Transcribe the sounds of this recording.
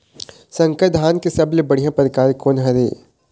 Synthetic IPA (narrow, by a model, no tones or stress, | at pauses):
sɐ̃ŋkəd̪ʱɦaːnkesɐblebɐɽ̤ijãpɾəkaːɾekoːnɦɐɾḛː